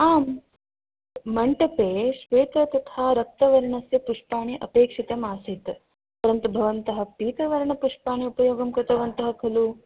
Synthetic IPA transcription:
aːm | ɐɳʈɐpeːʃʋeːt̪ɾɐt̪ɐt̪ʰaːɾɐk̚t̪ɐʋɐɾɐɳɐsjɐpuʂpaːɳiʔɐ̰peːkʂit̪ɐmaːsit̪ | pɐɾɐnt̪ubʱɐʋɐnt̪ɐɦɐ̆piːt̪ɐʋɐɾɐɳɐpuʂpaːɳiupɐjoːɡɐmkɾɪt̪ɐʋɐnt̪ɐɦɐkʰɐlu

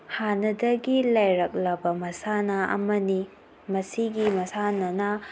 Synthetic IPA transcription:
hanɐdɐɡilajɾɐk̚lɐbɐmɐsanɐɐ̰mɐni | mɐsiɡimɐsanɐnɐ

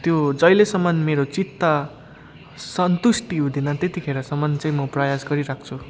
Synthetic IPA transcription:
t̪jod͡zʌjlesʌmːʌnmeɾot͡sit̪ːʌ | sʌnt̪usʈiɦũd̪inʌt̪et̪ikʰeɾʌsʌmːʌnt͡saĩmʌprajasɡʌɾiɾak̚ʰt͡sʰu

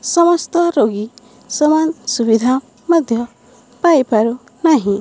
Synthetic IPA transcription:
sʌmʌst̪ʌɾoɡi | sʌmansubid̪ʱa | mʌd̪ʱjʌ | paepaɾu | naɦĩ

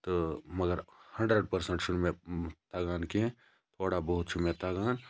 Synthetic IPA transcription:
t̪omɐɡəɾhɐ̃ɳɖɾəɖ̚pɐɾsə̃ɳʈʃʊɽmẽt̪aːɡaːnkeɦɛ̃ | t̪ʰoːɽabɔɦʊt̪ʃʰʊmẽt̪aːɡaːn

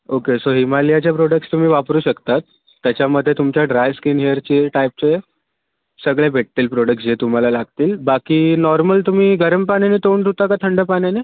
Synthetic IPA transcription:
okesoɦimalijat͡ɕjapɾɔɽək̚ʈst̪um̤iːʋapɾuːɕəkt̪at̪ː | jat͡ɕaməd̪ʱːjet̪umt͡ɕjaɖɾajʋskiːnɦejəɾt͡ɕeʈajp̚t͡ɕe | səɡɭebʱeʈ̚t̪iːlpɾɔɽək̚ʈsd͡ʑet̪um̤alalaɡt̪iːlbakiːnɔɾməlt̪um̤iːɡəɾəmpanenet̪oɳt̪ut̪akat̪ʰəɳɖəpanene

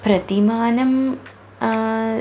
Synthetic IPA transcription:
pɾɐt̪imaːnɐm

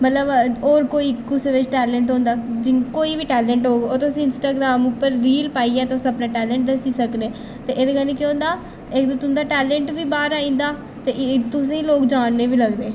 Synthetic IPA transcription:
mət̪ləbɔːɾkoːiːkʊseːʋɪt͡ʃʈɛːlɛ̃ːɳʈɦõːnd̪aːd͡ʒɪkoːiːʋiːʈɛːlɛ̃ːɳʈɦoːɡeoːt̪ʊsĩːɪnsʈaːɡɾaːmʊpːəɾːiːlpaːiːɛːt̪eʊsəpnaːʈɛːlɛ̃ːɳʈ̚d̪əsiːsəkneː | t̪eːʔeːd̪eːkəɾneːkeõːnd̪aː | ekd̪et̪ʊnd̪aːʈɛːlɛ̃ːɳʈʋiːbaːɾaːĩːnd̪aː | t̪eːʔt̪ʊsẽːĩloːkd͡ʒaːnːeːʋiːləɡd̪eː

